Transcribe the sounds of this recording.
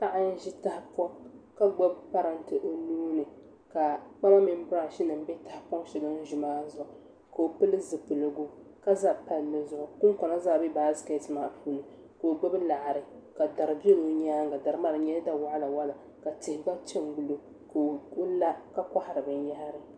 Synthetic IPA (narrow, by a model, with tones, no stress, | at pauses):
ta˦ʔa˦n˦ʒi˦ta˦hpɔ˦ŋ | ka˦ɡ͡bɔ˦bpa˦ɾa˨n˦tɨ˨ʔo˦nuː˦nɨ˨ | ka˨k͡pa˦ma˦mɪ˦m˦bʊ˦ɾa˦˨ʃi˦nɨ˨m˦bɛ˦ta˦hpɔ˦ŋ˦ʃi˨ɡa˦n˦ʒu˨maː˦zʊ˨ʔ | ka˨o˨pɨ˦lɨ˦zɨ˨pɨ˨lɨ˨ɡʊ˦ | ka˦za˦pa˦lːɨ˦zʊ˨ʔʊ˨ku˦ŋ˦kɔ˨na˦za˦˨bi˦baː˨˦ske˦tɨ˦maː˨puː˦nɨ˨ | ko˨o˨ɡ͡bo˦bla˨ʔɾɨ˨ | ka˨da˨ɾɨ˨bi˦lo˨˦ɲaː˦ŋ˦ɡa˨da˨ɾɨ˦ma˦ɾɨ˨ɲɛ˦da˦wa˦ʔa˦la˨wa˦la˨ | ka˨tɪ˨hɪ˨ba˦t͡ʃɛ˦ŋɡu˨lo˦ | ko˦la˦ka˦ka˦ha˨ɾɨ˨bɨ˨n˦ja˦ha˦ɾɨ˨